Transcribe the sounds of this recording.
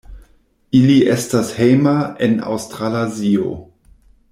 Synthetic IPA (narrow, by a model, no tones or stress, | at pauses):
iliʔestashejmaena̰wstɾalazio̰